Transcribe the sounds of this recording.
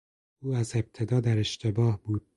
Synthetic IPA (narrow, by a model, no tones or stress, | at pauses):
ʔuːæze̞b̥̚t̪ʰe̞d̪ɒːd̪æɾe̞ʃt̪ʰe̞bɒːhbuː